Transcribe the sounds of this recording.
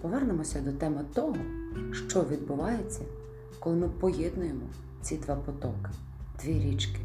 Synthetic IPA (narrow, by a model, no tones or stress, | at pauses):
pɔʋɛrnemɔsʲɐd̪ɔt̪ɛmɪt̪ɔɦɔʃt͡ʃɔʋʲid̪̚bʊʋɑjet͡sʲːɐ | kɔlˠɪmɪpɔjɛd̪nʊjemɔ | t͡sʲid̪ʋɑpɔt̪ɔkɪ | d̪̥ʋʲiɾʲit͡ʃkɪ̥